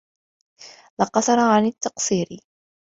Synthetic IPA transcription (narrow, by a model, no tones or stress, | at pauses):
lɑqɑsˤɑɾˤɑʕanɪt̪ːɑqsˤiːɾɪ